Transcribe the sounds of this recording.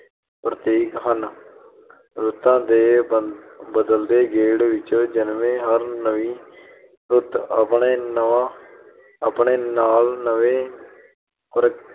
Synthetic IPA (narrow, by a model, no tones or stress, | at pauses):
pɾət̪iːkɦən | ɾʊt̪ãːd̪eː | bəd̪əld̪eːɡeːɽʋɪt͡ʃd͡ʒənʋẽːɦəɾnəʋiː | ɾʊt̪əpɳeːnəaː | əpɳeːnaːlnəʋẽː | pɾ